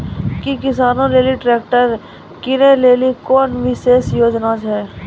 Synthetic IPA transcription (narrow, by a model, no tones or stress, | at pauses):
kikɪsaːnõɾeːliʈɾeːkʈəɾ | kɪneleːlikɔːnʋɪʃeːsjoːd͡ʒnat͡ʃʰɛe